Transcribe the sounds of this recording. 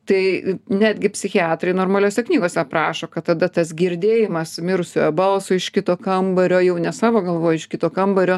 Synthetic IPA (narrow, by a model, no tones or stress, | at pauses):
t̪ɐɪnʲæːd̪ʲɡʲɪpʲsʲɪxʲɪɑːt̪ɾɐɪnoːrmɐlʲoːsʲɛknʲiːɡoːsʲɛpɾɑːʃoːkɐt̪tːɐd̪ɐt̪ɐsɡʲɪɾʲd̪ʲeːjɪmɐsmʲɪɾʊsʲoːjɛbɐlˠsoːɪʃkʲɪt̪oːkɐmbɐɾʲoːjɛʊnʲɛsɑːʋoːɡɐlˠʋoːjɛɪʃkʲɪt̪oːkɐmbɐɾʲoː